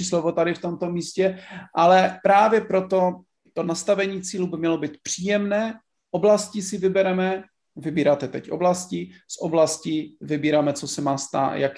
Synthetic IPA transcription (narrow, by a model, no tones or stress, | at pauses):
islovot̪adɪft̪o̞mt̪omiːscɛʔalɛpɾaːvjɛpɾo̞t̪o̞ | t̪onast̪avɛɲiːt͡siːlubɪmɲɛlo̞biːt̪̚pr̝̥iːjɛmnɛː | ʔoblascisɪvɪbɛɾɛmɛ | vɪbiːɾaːt̪ɛt̪ɛcʔo̞̰blascisʔoblasciːvɪbiːɾaːmɛt͡sosɛmaːst̪a̰ːjak